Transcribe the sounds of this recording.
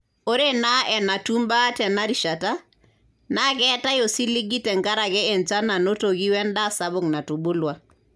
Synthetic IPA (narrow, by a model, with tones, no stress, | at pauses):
o˦ɾe˦na˦ɛ˨na˨tu˦mba˦tɛ˨na˦ɾi˨ʃa˨ta˦ | na˦kɛ˦ta˦jo˨si˦li˦ɡi˦tɛ˨ŋɡa˦ɾa˨ɡɛe˨nt͡ʃa˦na˨no˦to˨ɡi˦wɛ˦nda˦sabo˨ŋna˨tu˨bu˦lwa˨